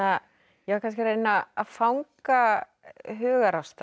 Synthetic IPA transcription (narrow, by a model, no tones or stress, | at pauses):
a | jɛvḁkʰans̬cɪɾeːjnaaðfawŋka | ɦʏːɣaɾawst̪a